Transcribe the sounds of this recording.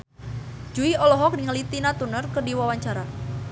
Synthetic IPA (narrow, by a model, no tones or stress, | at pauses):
d͡ʒuiɔlɔɦɔk̚niŋəlit̪inat̪unərkərdiwawaɲt͡ʃaɾa